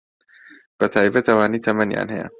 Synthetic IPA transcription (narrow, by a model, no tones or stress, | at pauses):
b̥ɐt̪ʰaːibɐt̪ɐwaːniːt̪ʰɐmɐnja̰ːnhɐ̰jɐ̰